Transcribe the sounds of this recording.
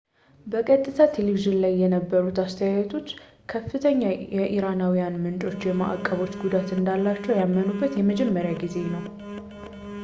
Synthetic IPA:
bəkʼət̪ʼːɨt̪ʰat̪ʰeleβiʒɨnlajːɛnəbːəɾut̪ast̪ʰəjajɛt̪ʰo̞t͡ʃː | kʰəfːɨt̪ʰəɲːajɛʔiɾanawijanmɨnt͡ʃʼo̞t͡ʃːjɛma̰ʔa̰kʼːəβo̞t͡ʃːɡud̪at̪ɨnd̪alːat͡ʃːɛwjamːənubːət̪jɛməd͡ʒɛmːəɾjaɡize̞nəw

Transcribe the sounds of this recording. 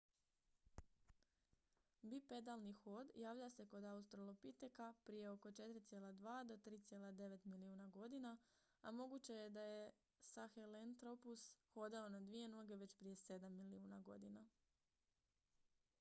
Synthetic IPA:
bipe̞d̪alˠnixoːd̪jaːʋlʎase̞ko̞d̪aust̪ɾolˠopit̪ekapɾije̞o̞ko̞t͡ʃe̞t̪ɾit̪sjelˠad̪ʋaːd̪o̞t̪ɾiːt̪sje̞ːlad̪e̞ʋe̞t̪miliuːnaɡo̞d̪ina | amo̞ɡut͡ɕe̞je̞d̪aje̞ | saxelent̪ɾo̞pusxo̞d̪eo̞nad̪ʋije̞noɡe̞ʋe̞t͡ɕpɾije̞se̞d̪amːiliuːnaɡo̞̰d̪ina

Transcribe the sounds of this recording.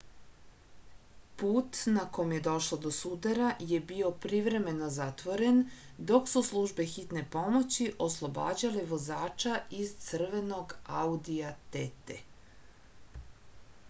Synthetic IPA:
puːt̪nakomje̞d̪o̞ʃlod̪o̞sud̪aɾaje̞bio̞pɾiʋɾe̞me̞no̞zat̪ʋo̞ɾe̞n | d̪o̞ksuslˠuʒbe̞xit̪ne̞po̞mo̞t͡ɕiʔo̞slˠo̞ba̰ːd͡ʑaleʋo̞zaːt͡ʃaizt̪sər̩ʋe̞no̞ɡaud̪iat̪et̪ḛ

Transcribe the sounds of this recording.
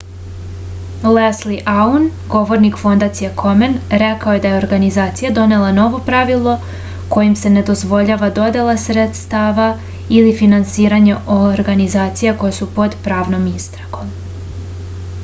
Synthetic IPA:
lesliʔaunɡo̞ʋo̞ɾnikfo̞nd̪at̪sijekʰo̞menɾe̞kaoje̞d̪aje̞o̞ɾɡanizaːt̪sijad̪o̞ne̞lˠano̞ʋo̞pɾaʋilˠo̞ | ko̞jimse̞ne̞d̪o̞zʋo̞ʎaːʋad̪o̞d̪e̞lˠasɾet̪st̪aːʋa | ilifinansiːɾaɲeʔoɾɡanizaːt̪sijako̞jesupo̞d̪pɾaːʋno̞mist̪ɾaɡ̥o̞m

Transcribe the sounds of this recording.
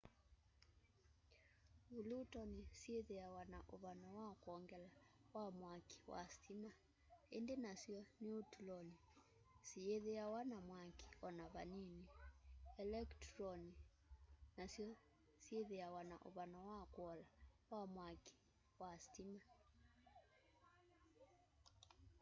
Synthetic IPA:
βulutɔnisieðeawanaʔoβanawakɔŋɡɛlawamwaki̥wa̰stima | endenasiɔniotulɔni | sieðeawanamwake̥ɔnaβaniniɛlɛktɾɔni | nasjɔ | sieðeawanaʔo̰βanawakwɔlawamwake̥ | wastima

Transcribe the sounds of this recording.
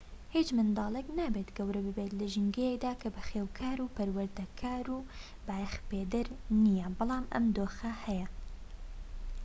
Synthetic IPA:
hit͡ʃmɨnd̪ɑːlˠɛknabeːt̪ɡɐwɾɐbɨbeːt̪lɨʒɪŋɡɛjɛk̚d̪aːkʰɐbɨxeːwkʰaːɾuːpɐɾwɐɾd̪ɐkʰaːɾuː | bajxpeːd̪ɪɾnijɛbɨlˠɑːmʔɐ̰md̪oːxɐhɛjɛ

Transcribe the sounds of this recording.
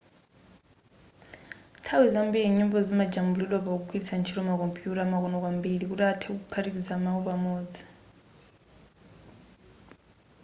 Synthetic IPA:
tʰawizambiɺiɲɔmbɔzimad͡ʒambulilwɔpauk̬ukʰwilisant͡ʃʰiɾɔmak̬ɔmpʼjutamak̬ɔnɔk̬wambiɺik̬utatʰɛuk̬upʰaɾik̬izamaupamɔːd͡zi̥

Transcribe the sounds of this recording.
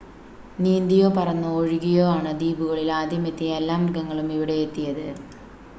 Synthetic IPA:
niːnd̪ijo̞ːpɐrɐnːɐoɻiɣijo̞ːaːɳɨd̪iːbuɣɐɭilaːd̪ʱjɐmet̪ːijɐelːaːmɡɐŋːɐɭumiʋiɽe̞ːt̪ːijɐðɨ

